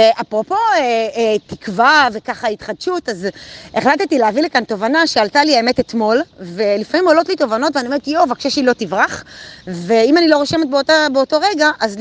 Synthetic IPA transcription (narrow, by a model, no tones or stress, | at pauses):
eʔapʁo̞po̞etikvavekaχait̪χadʃutazeχlat̪etileavilekanto̞vanaʃealtaliemete̞t̪mo̞lve̞lifamimolo̞tlito̞vano̞tveanioetijovakʃeʃilo̞tivʁaχve̞imanilo̞ʁoʃe̞met̚beotabeoto̞ʁeɡaʔaz